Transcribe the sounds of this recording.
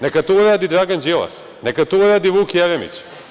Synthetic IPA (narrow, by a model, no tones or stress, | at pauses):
nekat̪uuɾaːd̪id̪ɾaːɡand͡ʑela̰s | nekat̪ouɾaːd̪iʋuːkjaʋemḭt͡ɕ